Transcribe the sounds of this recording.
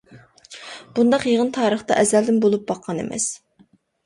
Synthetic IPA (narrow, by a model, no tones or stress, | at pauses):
b̥und̪ɑqjeʁənt̪ʰɑːɾəχt̪ɑ̰ʔɛzæld̪ɪnbolˠup̚bɑqʰːɑnḛmʔɛ̰s